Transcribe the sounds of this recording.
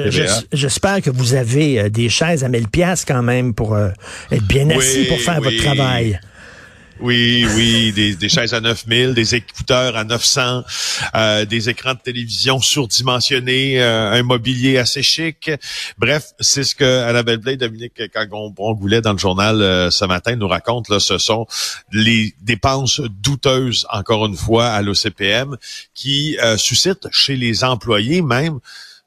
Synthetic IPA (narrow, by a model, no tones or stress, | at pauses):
ʒʒɛspɛːʁkəvuzaveød̪eʃɛːzamɪlpjaskɑ̃ːmɛ̃mpuʁøɛt̪̚bjɛ̃nasipuʁfɛːʁvɔt̪ːʁavaj | wiwid̪ed̪eʃɛːzanœfmɪld̪ezekut̪œːʁanœfsɑ̃ød̪ezekʁɑ̃d̪ət̪elevizjɔ̃syʁd̪imɑ̃sjɔneøɛ̃mɔbiljeaseʃɪkbʁɛfsesə̥kəanabɛlblɛd̪ɔminɪkːkɑ̃ɡɔ̃bʁɔ̃ɡulɛd̪ɑ̃ləʒuʁnaløsəmat̪ɛ̃nuʁakɔ̃t̪lasəsɔ̃led̪epɑ̃sd̪ut̪øːzɑ̰̃kɔːʁynfwaalosepeɛmkʲisysɪt̪ʃelezɑ̃plwajemɛ̃m